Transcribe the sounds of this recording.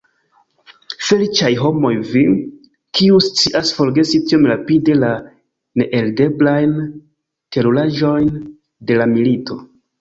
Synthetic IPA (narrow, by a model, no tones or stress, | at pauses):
fe̞lit͡ʃajɦo̞mo̞jvi | kiust͡siʔasfo̞ɾɡe̞sitiomɾapide̞la | ne̞ʔelde̞blajn | teɾulaʒo̞jn | de̞lamilito̞